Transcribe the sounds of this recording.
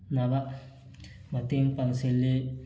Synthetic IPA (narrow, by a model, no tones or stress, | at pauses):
naba | matiŋpanselːe